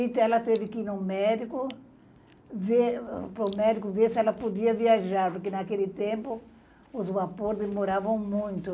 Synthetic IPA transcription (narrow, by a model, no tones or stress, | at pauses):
it̪ɛlɐt̪evɪkɪinũmɛd̪ikʊ | vepɾomɛd̪ikʊvesɪɛlɐpod̪iɐviaʒaɾpoɾkenakelɪt̪ẽmpʊ | ʊzvapoɾd̪emoɾavɐ̃w̃mũj̃t̪ʊ